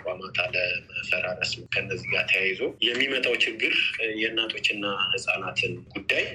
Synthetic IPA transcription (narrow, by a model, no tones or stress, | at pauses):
kʼamat̪ʰaləməfəɾaɾəsɨmkʰənːəzːiɡat̪ʰəjajzojɛmːimət̪ʼawt͡ʃʰɪɡːɨɾjɛnːat̪ʰʼo̞t͡ʃːɪnːahɨsʼanat̪ʰɨnɡ̥ud̪ːaj